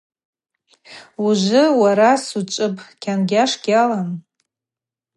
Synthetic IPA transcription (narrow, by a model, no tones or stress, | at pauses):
uʒʷɪwaɾasut͡ʃʷʼɨpʰʼkʲʰanɡʲaʂɡʲalan